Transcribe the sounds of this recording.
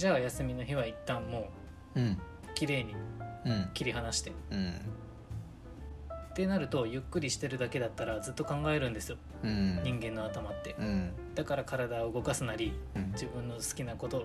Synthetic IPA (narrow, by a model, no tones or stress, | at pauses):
d͡ʑaːjasɨmʲino̞çiβ̞ait̪ːãmːo̞ː | kʲiɾe̞ːɲ̟i | kʲiɾʲiɦanaɕi̥t̪e̞ | t̪e̞naɾɯ̟t̪o̞jɯ̟kːɯ̟ɾʲiɕi̥t̪e̞ɾɯ̟d̪ake̞d̪at̪ːaɾazɨt̪ːo̞kãŋɡae̞ɾɯ̟̃nd̪e̞sɨjo̞ | ɲ̟ĩŋɡẽ̞nːo̞at̪amat̪ːe̞d̪̥akaɾakaɾad̪aɡaɯ̟ɡo̞kasɨnaɾʲid͡ʑibɯ̟̃nːo̞sɨ̥kʲinako̞t̪o̞